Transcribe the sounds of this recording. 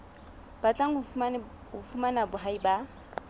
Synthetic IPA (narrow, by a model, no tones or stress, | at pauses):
b̥at͡ɬʼaŋ̩ | ʊfumanabʊɦaiba